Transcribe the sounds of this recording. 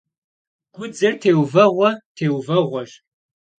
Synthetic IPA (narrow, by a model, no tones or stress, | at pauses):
ɡʷʊd͡zɐrtʰeːwvɐʁʷɔtʰeːwvɐʁʷɔɕ